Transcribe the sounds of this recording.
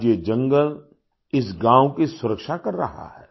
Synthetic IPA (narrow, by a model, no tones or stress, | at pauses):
d͡ʒjed͡ʒɐ̃ŋɡəl | ɪs̬ɡãːwkisʊɾəkʃakɐɾːɐ̰ɦa̰ɦɛ̰ː